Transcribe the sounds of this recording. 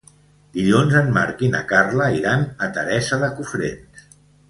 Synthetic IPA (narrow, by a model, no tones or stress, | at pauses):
d̪̥iʎonzənma̰ɾkina̰karləiɾanət̪əɾɛsəðəkufɾḛns